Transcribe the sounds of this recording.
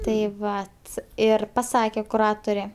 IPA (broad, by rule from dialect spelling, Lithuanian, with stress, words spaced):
tɐɪ ˈʋɐt ˈɪr pɐˈsɑːkʲɛ kʊˈrɑːtʊrʲɛ